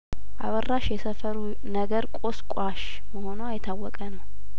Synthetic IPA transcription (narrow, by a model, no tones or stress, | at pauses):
ʔaβərːaʃjɛsəfəɾu | nəɡəɾkʼo̞skʼaʃ | məho̞noajɪt̪ʰːawːɔkʼənəw